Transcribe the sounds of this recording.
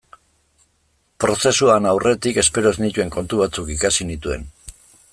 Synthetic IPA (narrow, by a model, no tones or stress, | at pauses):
pɾo̞se̞suanawre̞t̪ike̞spe̞ɾo̞znit̪ue̞ŋko̞nt̪uβ̞at͡sukikasinit̪ue̞̰n